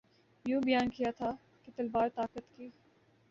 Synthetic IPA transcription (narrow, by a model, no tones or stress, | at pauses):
jũːbɐjaːnkijat̪ʰa | ket̪ɐlbaːɾt̪aːkət̪kiː